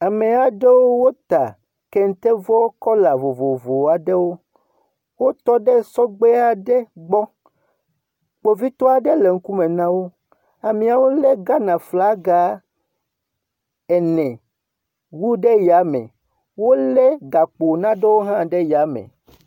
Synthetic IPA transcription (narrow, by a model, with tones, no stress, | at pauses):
a˨me˨a˨ɖe˦wo˦wo˦t̪a˨ | ke˦ŋ̩˨t̪e˦vɔ˦wo˦kɔ˦la˨vo˨vo˨vo˨a˨ɖe˦wo˦ | wo˦t̪ɔ˦ɖɛ˦sɔ˦ɡ͡be˦a˨ɖe˦ɡ͡bɔ˦ | k͡po˨vi˦t̪ɔ˦a˨ɖe˦le˨ŋ̩˦ku˦me˨nã˦wo˦ | a˨mĩ˨a˨wo˦le˦ɡa˦nã˨fla˦ɡa˨˦ | ɛ˨nɛ̃˨ | wu˦ɖe˦ja˨˦mɛ̰̃˨ | wo˦lɛ˦ɡa˨k͡po˨nã˦ɖe˦wo˦ɦã˦ɖe˦ja˨˦mḛ̃˨